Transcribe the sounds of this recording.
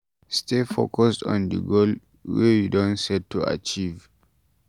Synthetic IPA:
stefo̰kɔstɔ̰̃ndə̰ɡol | wɛjudõnsɛd̚tːua̰t͡ʃiv

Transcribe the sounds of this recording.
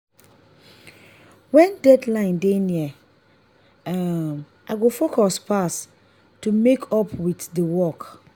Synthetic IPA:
wɛ̃ndɛdlãɪ̃ndenĩɛ | m | ʔaɡofokʰɔspʰas | tʰumekʰɔpʰwitdəwɔk

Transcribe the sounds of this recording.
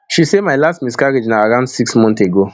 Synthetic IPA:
ʃisemajlastmiskaɾid͡ʒinaaɾãʊ̃ndsiksmɔ̃nteɡo

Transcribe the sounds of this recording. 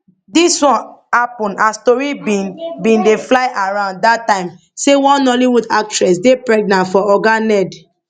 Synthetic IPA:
diswɔ̃nhapɔ̃nastɔɹibinbĩndeflaɪʔaɹãʊ̃nddatːãɪ̃m | sewɔ̃nnɔliwudak̚tɹɛsdepɹɛɡ̚nãntfɔɔɡanɛd

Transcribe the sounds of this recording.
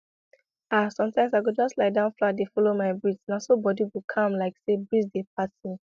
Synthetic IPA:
asɔ̃mtãɪmsaɪɡud͡ʒɔstlaɪdãʊ̃nfladefɔlomaɪbɹidsnasobɔdiɡukʰãmlaɪksebɹisdep̚ʰasĩn

